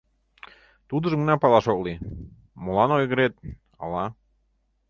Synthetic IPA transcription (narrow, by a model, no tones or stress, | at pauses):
t̪ud̪ə̆ʒəŋnɑpɑlɑʃokli | molɑnojɣəɾet̪̚ | ɑ̰lɑ